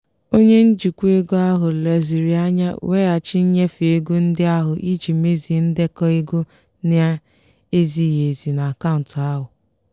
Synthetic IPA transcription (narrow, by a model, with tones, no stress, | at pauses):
o˦ɲe˦n̩˦d͡ʒi˨kʷu˦e˦ɡo˦a˦ɦʊ˨le˨zi˨ɾi˨a˦ɲa̰˦we˦a˨t͡ʃɪ˦ɲ̩˦ɲe˦fi˨e˦ɡu˦n̩˦dɪ˦a˦ɦʊ˨ʔi˦t͡ʃi˨me˦zi˨n̩˦dɪ˦kɔ˦i˦ɡo˦ | nɪ˦a˦ | e˦zi˨ɦe˨zi˨na˨ka˦ʊ˨n̩˨ta˦ɦʊ˨